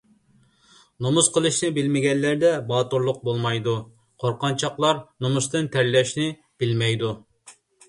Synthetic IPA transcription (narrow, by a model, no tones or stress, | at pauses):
nomusqʰəlˠɨʃnɪbɪlmɪɡʲɛnlæɾd̪ɛbɑːt̪uɾlˠʊq̚bolˠmɑjd̪u | qʰoɾqɑnt͡ʃʰɑqlˠɑɾnomust̪ɨnt̪ʰæɾlɛʃnɪ | b̥ɪlmɛjd̪u